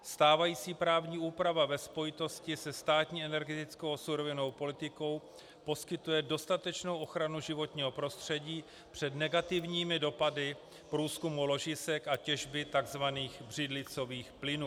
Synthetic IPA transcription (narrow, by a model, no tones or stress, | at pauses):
st̪aːvajiːt͡siːpɾaːvɲiːuːpɾavavɛspo̞jɪt̪o̞scɪsɛst̪aːt̪ɲiːɛnɛɾɡɛt̪ɪt͡sko̞wsuɾo̞vɪno̞wpo̞lɪt̪ɪko̞w | po̞skɪt̪ujɛdo̞st̪at̪ɛt͡ʃno̞wʔo̞xɾanuʒɪvo̞t̪ɲiːɦo̞pɾo̞st̪r̝̥ɛɟiː | pr̝̥ɛd̪nɛɡat̪ɪvɲiːmɪdo̞padɪ | pɾuːskumulo̞ʒɪsɛkacɛʒbɪt̪aɡzvaniːxbr̝ɪdlɪt͡so̞viːxplɪnuː